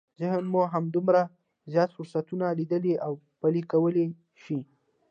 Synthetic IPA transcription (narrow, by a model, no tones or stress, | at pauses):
zɪɦənmoɦamd̪umɾa | zjɑt̪fʊɾsat̪unalid̪əliʔaw | palikawəle | ʃi